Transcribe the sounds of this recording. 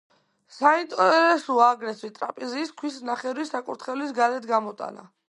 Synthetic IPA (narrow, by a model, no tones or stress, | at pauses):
saint̪ʼɔɾɛsuaɡɾɛsit̪ʼɾa̰pʼɛziːskʰwisnaχɛɾisakʼuɾt̪χɛlisɡalɛd̪ʰɡamɔt̪ʼa̰na̰